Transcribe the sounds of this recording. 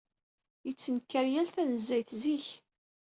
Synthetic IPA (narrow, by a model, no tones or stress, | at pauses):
jət͡sːənkːəɾjælθænəzːæjθziç